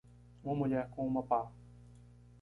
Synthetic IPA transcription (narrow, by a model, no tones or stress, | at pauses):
ũmɐmuʎɛɾkõumɐpa